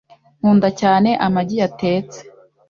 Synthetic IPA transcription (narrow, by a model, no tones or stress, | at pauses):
m̥uːndacaːne̞ʔamaɟijate̞ːt͡se̥